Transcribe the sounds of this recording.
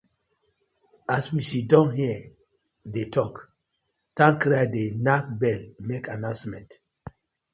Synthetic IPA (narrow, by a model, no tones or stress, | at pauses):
aswiʃidɔ̃nɦiə | detʰɔk | tãŋkɾadenak̚bɛlmekanãsmɛ̃nt